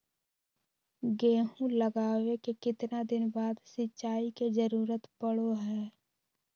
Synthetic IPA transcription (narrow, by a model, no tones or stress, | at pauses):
ɡeːɦũləɡaːwekekɪt̪nad̪ɪnbaːd̪sɪtːʃaːiked͡ʒəɾuːɾət̪pəɽoɦɛː